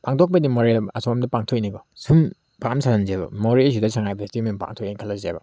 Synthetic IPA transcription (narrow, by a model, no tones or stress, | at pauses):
paŋtʰok̚bɐdimoɾeɐsomdɐpaŋtʰojniɡɔsum | pamsʰananzebɐ̰moɾis̬ʰidɐsʰaŋajbstimenpa̰ŋtʰojekʰalːɐzḛbɐ̰